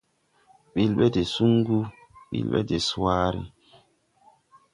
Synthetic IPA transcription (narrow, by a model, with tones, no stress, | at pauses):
ɓi˦lɓɛ˦de˨su˦ŋɡu˦ | ɓḭ˨lɓɛ̰˦de˨saː˦ɾḭ˦